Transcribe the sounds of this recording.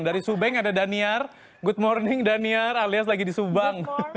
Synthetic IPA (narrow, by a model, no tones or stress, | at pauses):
ŋdaɾisubɛŋadadaniar | ɡʊt̪̚mɔrnɪŋdaniaralias̬laɡidisubaŋ